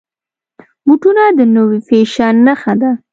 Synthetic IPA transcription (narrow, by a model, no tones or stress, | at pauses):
muʈunad̪ənowifeʃanəxad̪a